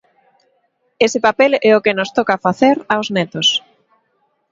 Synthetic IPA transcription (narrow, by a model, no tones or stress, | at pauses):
esɪpapelɛʊkɪnost̪ɔkɐfaθeɾawznɛt̪ʊs